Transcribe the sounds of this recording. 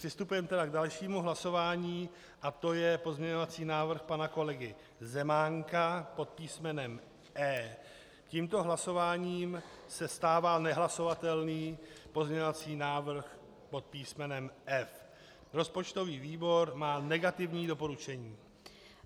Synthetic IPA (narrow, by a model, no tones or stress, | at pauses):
r̥ɪst̪upujɛmt̪ɛdaɡdalʃiːmuɦlaso̞vaːɲiː | ʔat̪o̞jɛpo̞zmɲɛɲo̞vat͡siːnaːvr̩xpanako̞lɛɡɪ | zɛmaŋkapo̞t̪̚piːsmɛnɛm | ʔɛː | ciːmt̪o̞ɦlaso̞vaːɲiːmsɛst̪aːvalnɛɦlaso̞vat̪ɛlniːpo̞zɲɛɲo̞vat͡siːnaːvr̩x | po̞t̪̚piːsmɛnɛmʔɛf | ɾo̞spo̞t͡ʃt̪o̞viːviːbo̞ɾmaːnɛɡat̪ɪvɲiːdo̞po̞ɾut͡ʃɛɲiː